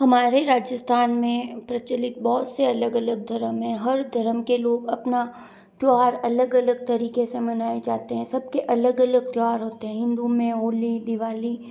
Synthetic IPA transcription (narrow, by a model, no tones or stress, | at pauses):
ɦɐmaːɾeɾaːd͡ʒəst̪ʰaːnmẽpɾɐt͡ʃəlɪk̪̚bɔːʊt̪seɐləɡɐləɡ̚d̪ʱɐɾəmɦɛ̃ɦɐɾd̪ʱɐɾəmkeloːɡɐpna | t̪joaːɾɐləɡɐləɡ̚t̪ɐɾiːkesemɐnaːed͡ʒaːt̪eɦɛ̃sɐb̚keʔɐləɡɐləɡ̚t̪jʊaːɾɦoːt̪eɦɛ̃ɦɪ̃nd̪umẽɦoːlid̪ɪʋaːli